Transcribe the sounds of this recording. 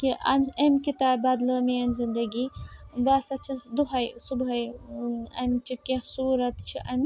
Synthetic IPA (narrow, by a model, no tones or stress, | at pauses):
kiʔɐ̰mʲɐmʲkit̪aːbbaːd̪ləːmiɐnzind̪ɐɡiːbaːsɐt͡ʃʰid̪uɦɐjsubɦɐj | ɐ̰mt͡ʃʰikẽsuːɾɐt̪t͡ʃʰiʔɐmʲ